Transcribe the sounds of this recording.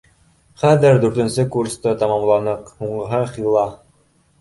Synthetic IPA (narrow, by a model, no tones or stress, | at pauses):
χæðɘɾd̪ʉɾt̪ɘ̆nsɘkurst̪ɤt̪ɑmɑmlˠɑnɤqhuɴɢɤ̆ɦɤχilˠɑ